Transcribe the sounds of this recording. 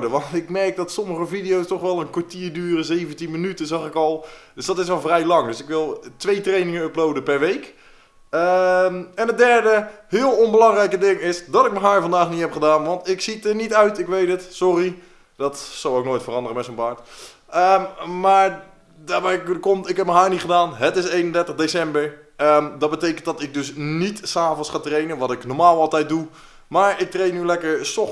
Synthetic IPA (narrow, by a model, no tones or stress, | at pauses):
dəʋɑntɪkmɛrk̚dɔtsɔməχəvidɪjowstɔχʋɛlˠənkʋaɹtiːəɹdyːrəzejvəntinmənytəzɑxɪkɔlˠd̥øsdɔtɪsʋɛlˠvrɛjlɑŋdøsɪkʋɪlˠtʋejtrejnɪŋəəplowdəpɛɹʋejk | ə | ɛnət̚dɛɹdəhɪːəlˠɔnbəlɑŋrɛjkədɪŋɪsdɔtɪk̚məɦaːɹvɑndaːxnithɛpχədaːnʋɑntɪksitənitœɥtɪkʋejtətsɔri | dɔtsowoknoːjtfərɑndərəmɛtsonbaːɹt | əmaːɹ | daːbɛjkkɔmtɪkɦɛp̚məɦaːɹnitχədaːnɦətɪsejnəndɛɹtəχdesɛmbəɹ | ədɑt̚bətejkəntdɑtɪk̚dɵsnitsaːvənsχaːtrejnəʋɑtɪknoɹmaːlˠɑlˠtɛjt̚du | maːɹɪk̚trejnːylɛkəɹsɔ